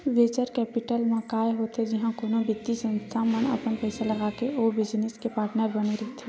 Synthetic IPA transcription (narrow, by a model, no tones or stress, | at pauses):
ʋeːt͡ʃəɾkɛːpɪʈəlmẽkaːeɦoːt̪ɦɛd͡ʒɪɦãkoːnõbɪd̪isə̃nst̪ʰaməɳɐ̰pənpɛɪsalɐɡaːkeʔoːbɪd͡ʒnɪskepaːɾʈnəɾbəneɾɛt̪e